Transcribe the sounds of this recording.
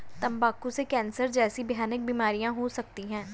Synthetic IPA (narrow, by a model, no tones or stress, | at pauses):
t̪ɐmbaːkusekɛ̃ːnsəɾd͡ʒɛːsibjaːnɪk̚biːmaːɾijãɦosɐk̚t̪iɦɛ̃ː